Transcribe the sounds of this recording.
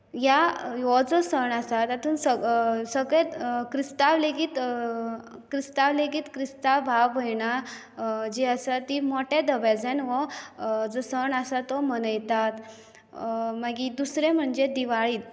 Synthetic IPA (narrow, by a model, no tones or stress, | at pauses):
jaɦɔd͡zəsəɳasat̪at̪uːnsəsəɡɭet̪kɾist̪aʋleɡiːt̪ | kɾist̪aʋleɡiːt̪kɾist̪abʱaʋːəjɳa | d͡ʑeəsat̪imoʈed̪əbad͡zɛnɦɔd͡zəsəɳəsat̪ɔmənəjt̪at̪ | maɡid̪usɾem̤əɳd͡zed̪iʋaɭiːt̪